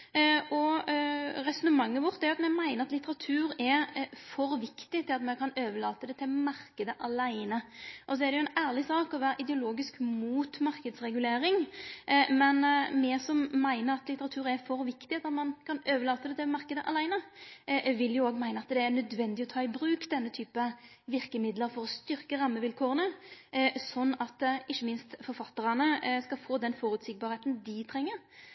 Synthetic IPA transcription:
ʔɔ | ɾɛsʊnəmɑŋːəʋɔʁt̪æɾjʊɑt̪mɛmæɪnəɾɑt̪lɪt̪əʁɑt̪ʰʉːɾɛɾfɔɾʋɪkt̪ɪt̪ʰɪlɑt̪mɛnkʰɑnøːʋəɭɑːt̪əd̪ɛt̪ʰɪlmɑɾkəd̪əʔɑlæɪnəʔɔs̬ɔɛɾdɛjʊɛnæːɾlɪsɑːkɔʋæːɾəʔɪd̪ɛʊloːɡɪskmuːt̪mɑɾkəd̪sʁɛɡʉleːɾɪŋ | mɛnmɛsɔmːæɪnəɾɑt̪lɪt̪əʁɑt̪ʰʉːɾæɾfɔɾʋɪkt̪ɪd̪ɑt̪mɑnkʰɑnøːʋəɾlɑːt̪əd̪ɛt̪ʰɛmɑʁkəd̪əʔɑlæɪnə | ʋɪljʊoːɡmæɪnəɑt̪d̪ɛænœd̪ʋɛnd̪ɪɔt̪ʰɑːɪbɾʉːkd̪ɛnːət̪ʰyːpə | ʋɪʁkəmɪd̪ləɾfɔɾɔst̪ʏɾkəɾɑmːəʋɪlkʰoːʁənə | sɔnːɑt̪ʔɪçːəmɪnst̪fɔɾfɑt̪ːəʁɑnəskɑfoːd̪ɛnfɔɾʉːt̪sɪɡ̚bɑːɾheːt̪nd̪ɪt̪ʰɾɛŋːəɾ

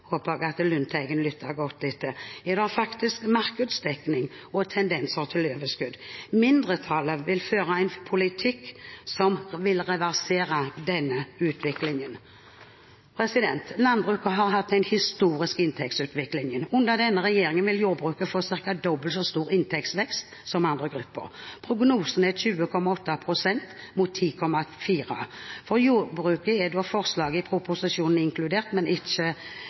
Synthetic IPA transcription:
hoːpəɡɑt̪lʉnt̪ʰæɪɡənlʏt̪ʰːəɾɡɔt̪̚d̪ɛt̪ʰːəjɛd̪əɑfɑkt̪ɪskmɑɾkəd̪sd̪ɛknɪŋ | ɔt̪ʰɛnd̪ɛnsəɾt̪ʰɪløːʋəskʉd̪mɪnd̪ɾət̪ʰɑləʋɪlføːɾɑæɪnpʰʊlɪt̪ʰɪkːsɔmʋɪlʁɛʋæʁseːɾɑd̪ɛnːəʉːt̪ʰʋɪklɪŋən | pʰɾɛsɪd̪ɛnt̪lɑnbʁʉːkəɦɑɾɦɑt̪̚d̪ɛnhɪst̪uːɾɪskɪnt̪ʰɛk̚tsʉːt̪ʋɪklɪŋənʉnd̪əd̪ɛnːəɾɛjeːɾɪŋənʋɪljuːɾbʁʉːkəfoːsɪʁkɑd̪ɔbəlt̪sɔst̪uːʁɪnt̪ʰɛkt̪sʋɛkst̪ | sɔmɑnd̪ʁəɡɾʉpːə̰ɾpʰɾʊɡnuːsənɛɕʉːəkʰɔmɑɔt̪ːɑpʰʁʊsɛnt̪ | mʊt̪ʰːiːkʰɔmːɑfiːʁɑ̰fɔʁjuːbɾʉːkəɛd̪ɔfɔʁslɑːɡəɪpʰɾʊpʊsɪʃuːnn̩ɪŋkʰlʉd̪eːʁt̪mɛnɪt͡ʃːə

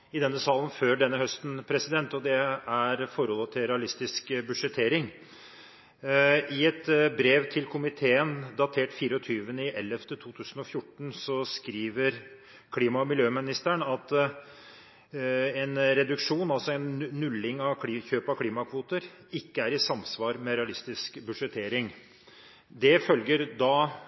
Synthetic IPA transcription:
ɪd̪ɛnːəsɑːlənføːɖɛnːəhœst̪n̩pʰɾɛsɪd̪ɛnt̪ɔd̪ɛæɾfɔɾhɔlːət̪ʰɪlɾɛɑlɪst̪ɪskbʉʂɛt̪ʰːeːɾɪŋ | ɪɛt̪bɾeːʋt̪ʰɪlkʰʊmɪt̪ʰeːənd̪ɑt̪ʰeːʈfiːɾəɔt̪ʰyːʋənəɪʔɛlːɛft̪ət̪ʰuːt̪ʰʉːsən̩ɔfjʊʈːɳ̩sɔskɾiːʋəɾ | kʰliːmɑmɪljøːmɪnɪst̪æɳɑt̪ | ɛnɾɛd̪ʉkʂuːnɑlsɔɛnːʉlːɪŋɑʋkʰliːçøːpɑkʰliːmɑkʰʋuːt̪əɾ | ɪkːəæɾɪsɑmsʋɑːɾmɛɾɛɑlɪst̪ɪskbʉʂɛt̪ʰeːɾɪŋ | d̪ɛfœlɡəɾd̪ɑ

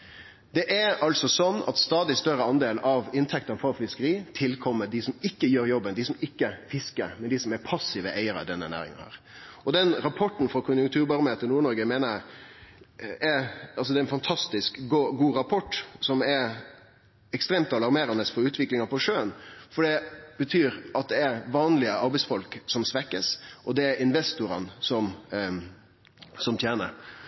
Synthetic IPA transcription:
d̪ɛʔæɑlsɔsɔnːɑ̰t̪st̪ɑːd̪ɪst̪œɾəɑnd̪eːlɑʋɪnt̪ʰɛk̚t̪ənfɑfɪskəɾiːt̪ʰɪlkʰɔmːəɖ̪ɪsɔmɪkːəjøːɾjɔbːənd̪ɪsɔmɪkːəfɪskə̰ɾmɛnd̪ɪsɔmæɾpʰɑsːɪʋə̰ʔæɪəɾəḭd̪ɛnːə̰næ̰ːɾɪ̰ŋə̰nhæ̰ːɾ | ɔd̪ɛnɾɑpʰɔʈːn̩fɾɔkʰʊnjʊŋkt̪ʰʉːɾbɑɾmət̪ʰɪnuːɾɳɔɾɡəmeːnə | ɛɾɑlsɔd̪ɛæɾɛnfɑnt̪ʰɑst̪ɪskɡɡuːɾɑpʰɔʈːsɔmɛɾ | ɛkst̪ɾeːmt̪ɑlɑɾmeːɾɑnəsfɔɾʉːt̪ʋɪklɪŋɑpʰɔʂøːənfɔɖɛb̥ət̪ʰyːɾɑt̪̚d̪ɛæɾʋɑːnlɪəɑɾbɛɪsfɔlksɔmsʋɛkːəsʔɔd̪ɛæɾɪnʋɛst̪ʊɾɑ̰nsɔm | sɔmt̪ʰjeːnə̰ɾ

